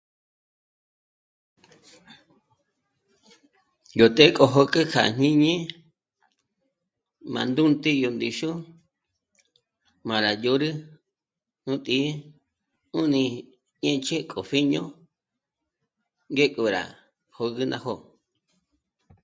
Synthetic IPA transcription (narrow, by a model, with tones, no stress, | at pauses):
jo˨t̪ʼe˦kʼo˧ɦo˧kʼɨ˦kʰa̰˨ɲ̥ĩ˦ɲẽ˦ | mã̰˨nd̪u˦nt̪i˦jo˧nd̪i˧ʃu˦ | mã˨ɾa˨jo˧˦ɾɨ˦ | nũ˦t̪ʼi˧˦ | u˦nĩ˧ | ɲẽ˦t͡ʃʰe˦kʼo˨ɸi˦ɲõ̰˦ | ŋɡe˦kʼu˧ɾa̰˨ | ho˧ɣɨ˦nã̰˧ho˦